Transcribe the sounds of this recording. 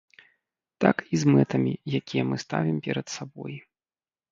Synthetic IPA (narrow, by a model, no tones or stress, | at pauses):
t̪akizmɛt̪ɐmʲijakʲijɛmɨst̪avʲimpʲɛɾɐt̪sabɔ̰j